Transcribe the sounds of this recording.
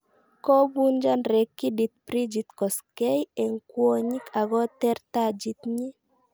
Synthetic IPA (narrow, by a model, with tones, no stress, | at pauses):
kɔ˦bu˦nd͡ʒa˦nɾɛ˨kːi˦dit̪̚pɾi˦d͡ʒi˨t̪kɔ˨skɛ˦jɛ˨ŋkwo˦ɲi˦kʰa˨ɡɔ˦t̪ɛ˦rt̪a˦d͡ʒi˦t̪ɲi˦